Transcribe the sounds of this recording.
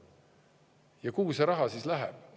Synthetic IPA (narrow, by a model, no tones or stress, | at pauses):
jɑkuːseɾɑɦɑsiːslæɦæ̰b̥̚